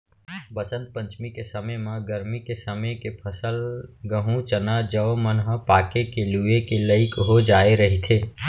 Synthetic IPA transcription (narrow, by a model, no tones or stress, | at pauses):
bət͡ʃə̃nt̪̚pə̃ɲt͡ʃmikesəməjmãɡəɾmikesəməjkepʰəsəlɡəɦũt͡ʃənad͡ʒəomənɦəpaːkekeluekeləɪkɦod͡ʒaːeɾəɦit̪ʰeː